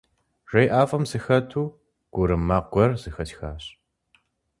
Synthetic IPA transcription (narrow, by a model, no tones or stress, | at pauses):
ʒ̥ʷɐjʔaːfɐmzɨxɐtʰuː | ɡ̥ʷʊɾɨmaːq̚ɡʷɔrz̥ɨxɐtxaːɕ